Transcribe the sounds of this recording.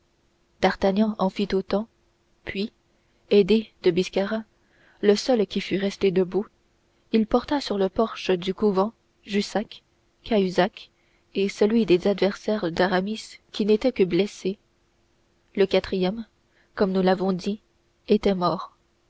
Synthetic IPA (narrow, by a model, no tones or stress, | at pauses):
d̪̥aʁt̪aɲjɑ̃ʔɑ̃fit̪ot̪ɑ̃ | pʰɥi | ed̪ed̪̥əbiskʲaʁa | ləsœlkʲifyʁɛst̪ed̪əbu | ilpɔʁt̪asyʁləpɔʁʃəd̪ykuvɑ̃ | ʒysakʰː | ayzak | esəlɥid̪ezad̪vɛʁsɛːʁd̪aʁamiskʲinet̪ɛkəblɛse | ləkat̪χijɛm | kɔmnulavɔ̃d̪i | et̪ɛmɔːʁ